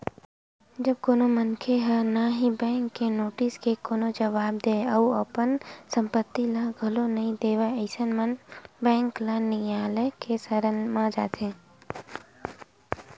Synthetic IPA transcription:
d͡ʒəb̚koːnomənkʰeɦənaɦibɛ̃ːŋkːenoːʈɪskekoːnod͡ʒəʋaːb̚d̪eːəuəpənsə̃mpət̪ːiləɡʱəlonɐɦĩd̪eːʋaəɪsənmənbɛ̃ːŋklanĩaːlekesəɾənmãd͡ʒa̰ːt̪ʰẽː

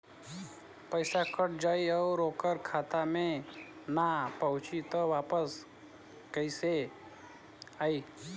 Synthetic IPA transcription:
pəɪsakʰəʈ̚d͡ʒəiəɾokəɾkʰaːt̪amẽ | napəɦʊt͡ʃit̪ɔʋaːpəs | kəɪse | ai

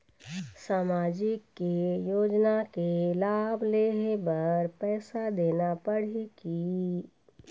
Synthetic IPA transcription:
saːmaːd͡ʒɪkːejoːd͡ʒnakelaːbleɦebəɾpɛːsad̪eːnapəɽ̤iki

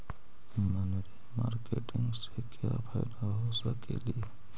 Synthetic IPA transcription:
mənɾima̰ːɾkeʈɪ̃ŋɡsekja̰pʰɛɪd̪aɦosəkḛli

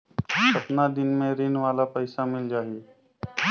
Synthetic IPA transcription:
sɐpnad̪ɪnmẽɾɪnʋaːlapɐɪsamɪld͡ʒaːɦie

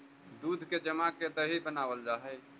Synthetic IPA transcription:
d̪uːd̪ʱked͡ʒəmaked̪əɦibənaːwəld͡ʒaːɦɛ

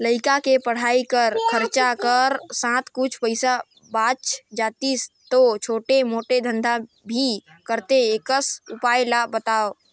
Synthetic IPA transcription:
ləɪkakepəɽ̤aikəɾkʰəɾt͡ʃakəɾsãt̪kut͡ʃʰpəɪsa | bat͡ʃd͡ʒat̪ist̪ot͡ʃʰoːʈemoːʈed̪ʱə̃nd̪ʱa | bʱi | kəɾt̪eekəsupajlabət̪aːo

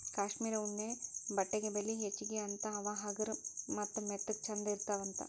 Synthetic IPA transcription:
kaːʃmiːɾɐuɳːebɐʈːeɡebelːiɦet͡ʃːiɡeɐnt̪ɐɐʋaːɦɐɡɐɾmɐt̪ːɐmet̪ːɐk̚t͡ʃʰɐnd̪ɐiɾt̪aːʋɐnt̪ɐ̰

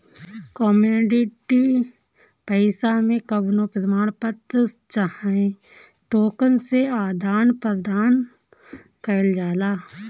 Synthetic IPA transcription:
kɔːmuːɖɪʈi | pəɪsamẽkəbnõpɾəmaːɳ̃pət̪ət͡ʃahẽ | ʈoːkənseaːd̪ʱaːnpɾəd̪aːn | kəɪld͡ʒaːlaː

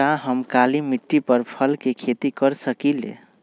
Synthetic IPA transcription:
aɦəmkalimiʈːipəɾpʰəlkekʰet̪ikəɾsəkilḛ

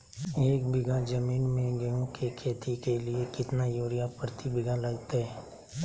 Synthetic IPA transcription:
eːk̚bɪɡʱad͡ʒəmiːnmẽɡəjõkʰekʰeːt̪ʰikeliekɪt̪najoːɾɪjapɾət̪ʰibɪɡʱalɐɡt̪eɦɛː

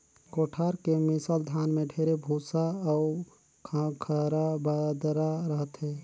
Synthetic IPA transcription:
koːʈʰaːɾkemɪsaːld̪ʱaːnmẽɖʱʰeːɾebʱuːsaɔʊɾ | kʰakʰəɾabad̪ɾaɾəɦət̪ɦɛː

